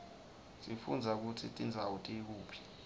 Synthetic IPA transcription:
sʼifṵnd͡zʱak̬utʰitʼind͡zʱawutʼik̬uːpʰi̥

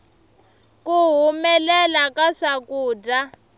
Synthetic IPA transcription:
kuɦumɛlɛlakaʂakuːda

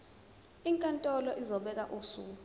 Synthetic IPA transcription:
iŋkʼantʼɔlɔʔizɔɓɛk̬ʼa̰ʔusuː

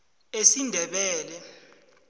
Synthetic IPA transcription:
esindʱɛɓɛːlɛ

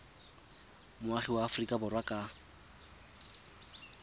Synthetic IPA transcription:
mʊaχiwaːfrikʼabʊrwakʼa

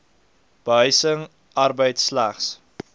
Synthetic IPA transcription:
b̥əɦœɥsəŋ | ɐrbəjtslæχs

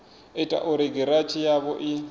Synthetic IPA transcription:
ɛtʼa̰ʔʊɾeɡɛɾat͡ʃʰʼijaβɔʔɪ

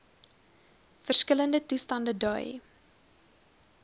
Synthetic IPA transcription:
fərskələndətustɐndədœj

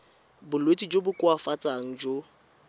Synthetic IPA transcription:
bʊlwetʼid͡ʒobʊkʼʊafat͡sʼaŋ̩d͡ʒo

